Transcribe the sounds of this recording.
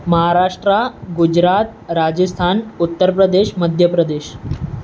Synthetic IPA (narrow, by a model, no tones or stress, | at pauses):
məɦaɾaʂʈɾaɡud͡ʑɾat̪ɾad͡ʑəst̪ʰanut̪ːəɾpɾəd̪eɕməd̪ʱjəpɾəd̪eɕ